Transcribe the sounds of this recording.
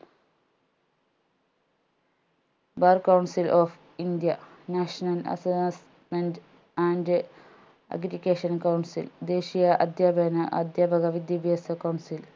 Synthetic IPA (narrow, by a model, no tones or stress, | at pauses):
bɐrkːɐwɳsilʔoːf | ind̪jɐnaːʂɐnɐlɐ̰ses | mend | aːnd | ɐ̰ɡɾikːeːʂɐnkɐwɳsḭld̪e̞ːɕijɐʔɐd̪jaːbʱenɐʔɐ̰d̪jaːbʱɐɡɐʋid̪jɐbiɐsɐkɐwɳsil